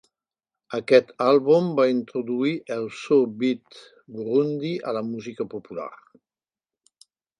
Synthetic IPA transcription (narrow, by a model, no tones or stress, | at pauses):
akɛt̪alβumbaint̪ɾud̪uiʔɛlsobit̪ | ɡɾund̪iʔalamuzikəpupula̰ɾ